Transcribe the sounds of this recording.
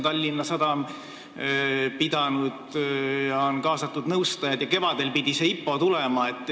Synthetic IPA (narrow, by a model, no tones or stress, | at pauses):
t̪ɑlʲːinːɑsɑd̪̥ɑm | pid̪̥ɑnud̪̥jɑonkɑːsɑt̪ːˑud̪nɤwst̪ɑjɑd̪jɑke̞vɑd̪e̞lpid̪̥ʲiseːipːo̞t̪ulemɑet̪ːˑ